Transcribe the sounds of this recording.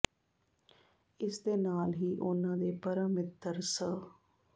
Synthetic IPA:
ɪsd̪eːnaːlɦiːʔʊnãːd̪eːpəɾəmɪt̪əɾsə

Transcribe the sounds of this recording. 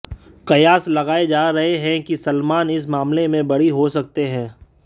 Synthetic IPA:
qɐjaːslɐɣaːed͡ʒaːɾɐɦeɦɛ̃kisɐlmaːnɪs̬maːmlemẽbɐɽiɦosɐk̚t̪eɦɛ̃ː

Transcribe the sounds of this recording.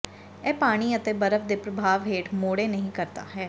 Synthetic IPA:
ɛːpaːɽ̃iːət̪eːbəɾəfʰd̪eːpɾəbʱaːʋɦeːʈmoːɽeːnəɦĩːkəɾt̪a̰ːɦɛː

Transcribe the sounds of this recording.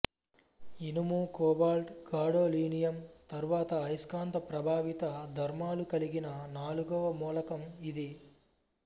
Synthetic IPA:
inumuːkɔːbaːlʈɡaːɽoːliːnijɐmt̪ɐɾuʋaːt̪ɐːjskaːnt̪ɐpɾɐbʱaːʋit̪ɐd̪ʱɐɾmaːlukɐliɡinɐnaːluɡɐʋɐmuːlɐkɐmid̪i

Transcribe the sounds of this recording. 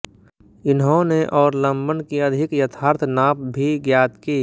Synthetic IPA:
ɪnɦõneʔɔːɾlə̃mbənkiɐd̪ʱɪkjɐt̪ʰaːɾt̪ʰnaːp̚bʱiɡjaːt̪kiː

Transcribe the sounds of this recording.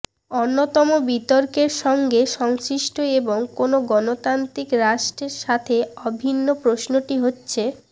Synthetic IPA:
onːot̪ɔmobit̪ɔɾkeɾʃɔŋɡeʃɔŋsɾiʃʈoeboŋkonoɡɔnot̪ant̪ɾikɾaʃʈeɾʃat̪ʰeɔbʱinːopɾosnoʈiɦotːɕʰe

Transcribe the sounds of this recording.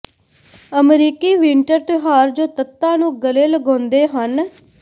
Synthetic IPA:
əmɾiːkiːʋɪɳʈəɾt̪eɦaːɾd͡ʒoːt̪ət̪ːãːnũːɡəleːləɡõːnd̪eːɦən

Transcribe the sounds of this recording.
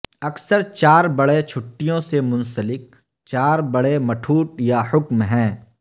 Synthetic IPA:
ɐksəɾt͡ʃaːɾbɐɽet͡ʃʰʊʈːijõsemʊ̃nsəlɪk̚ | t͡ʃaːɾbɐɽemɐʈʰuːʈjahʊkmɦɛ̃ː

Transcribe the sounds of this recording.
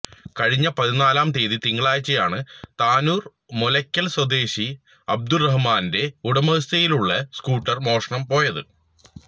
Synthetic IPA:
kɐɻiɲːɐpɐðinaːlaːmt̪eːðit̪iŋːɐɭaːjt͡ɕːɐjaːɳɨt̪aːnuːr | molɐkʲːɐlswɐd̪eːɕi | ɐb̚d̪urɐɦmaːnde̞uɽɐmɐst̪ɐjiluɭːɐskuːʈːɐrmo̞ːʂɐɳɐmpo̞ːjɐðɨ

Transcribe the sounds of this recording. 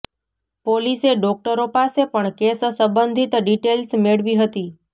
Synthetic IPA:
poliseɖɔk̚ʈəɾopasepəɳkessəmbənd̪ʱit̪ɖiʈelsmeɭʋiɦət̪i

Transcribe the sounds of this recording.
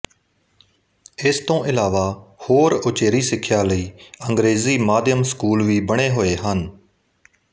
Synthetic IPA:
ɪst̪õːʔɪlaːʋaːhoːɾʊt͡ʃeːɾiːsɪkʰjaːləiːəŋɡɾeːziːmaːd̪jəmskuːlʋiːbəɽ̃eːɦoːeːɦən

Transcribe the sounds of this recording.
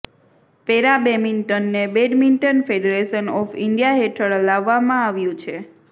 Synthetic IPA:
peɾabeminʈənːebeɖminʈənfeɖeɾeʃənɔfiɳɖijaɦeʈʰəɭlaʋːamãaʋjũt͡ʃʰe

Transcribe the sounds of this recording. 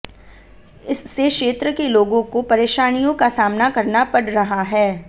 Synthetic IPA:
ɪsːekʃeːt̪ɾəkeloːɡõkopɐɾeːʃaːnijõkasaːmnakɐɾnapɐɽɾɐɦaɦɛː

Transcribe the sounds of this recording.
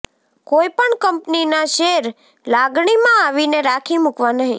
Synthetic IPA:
koipəɳkəmpninaʃeɾ | laɡɳimãaʋineɾakʰimukʋanəɦḭ̃

